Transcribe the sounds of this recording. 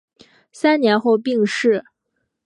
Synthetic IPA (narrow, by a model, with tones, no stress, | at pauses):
sa˥nnjɛ˧˥nxo˥˧ʊpi˥˧ŋʂɻ̩˥˩